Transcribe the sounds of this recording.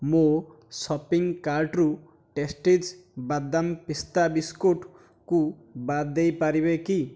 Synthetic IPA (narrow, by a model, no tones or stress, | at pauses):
mo | sɔpiŋkaɾʈɾu | ʈesʈed͡ʒ | bad̪ːampist̪abiskoʈ | kubad̪ejpaɾibeki